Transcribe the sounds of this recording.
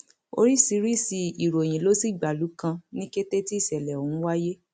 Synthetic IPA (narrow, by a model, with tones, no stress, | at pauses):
o̰˧ɾi˦si˧˦ɾi˦˨si˧i˨ɾo˨j̃ĩ˨lo˨˦si˦˨ɡ͡ba˨lu˨˦kã˧nĩ˦ke˦te˦ti˦i˦˨sɛ˨lɛ˨o˨ũ˦wa˦je˦